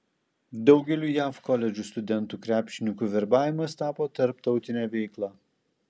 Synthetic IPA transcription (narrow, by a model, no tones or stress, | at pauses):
d̪ɒʊɡʲɛlʲuːjæːfkɔlʲɛd͡ʒʲuˑst̪ʊd̪ʲɛnt̪uːkɾʲæːpʲʃʲɪnʲɪkuːʋʲɛɾbɑːʋʲɪmɐst̪ɑːpoːt̪ɐɾp̚t̪ɒʊt̪ʲɪnʲæːʋʲɛɪklˠɑː